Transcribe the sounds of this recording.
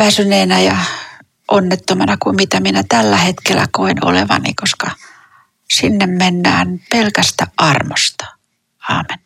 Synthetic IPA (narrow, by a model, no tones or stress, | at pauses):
ʋæsyneːnæjɑ | ʔonːet̪ːomɑnɑkumit̪æminæt̪ælːæhet̪kelːæ̰koino̰lḛʋɑ̰nḭkoskɑ | sinːemmenːæːnpelkæst̪æʔʔɑrmost̪ɑ̥ | ɑ̰ːmen